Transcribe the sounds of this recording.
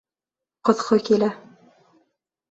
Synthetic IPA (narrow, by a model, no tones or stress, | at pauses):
qŏðqɤkilæ